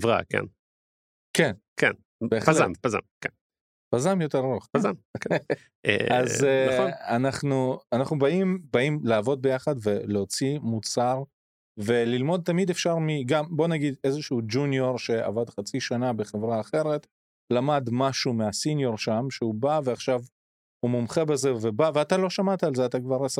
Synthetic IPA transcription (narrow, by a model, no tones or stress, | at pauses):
vʁa̰kḛn | kenkḛn | beːχpalampaza̰mken | pazamjo̞teʁʁoχpaza̰mk | aznanaχnuanaχnubaimbaimlaːvo̞d̚be̞jaχadve̞leot͡simut͡saʁ | ve̞lilmo̞d̪̚t̪amidefʃaʁmiɡambo̞naɡid̪e̞zeʃuud͡ʒunjo̞ʁʃe̞a̰vadχat͡siʃanabeχe̞vʁaːχe̞ʁet̪ | lamad̪maʃumeasinjo̞ʁʃamʃeubaveaχʃav | humumχe̞beze̞vebaveat̪alo̞ʃamat̪aːlzeat̪akvaʁes